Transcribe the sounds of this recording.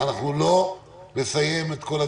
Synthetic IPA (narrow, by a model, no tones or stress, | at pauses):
anaχnulo̞ | ne̞saje̞met̪ko̞la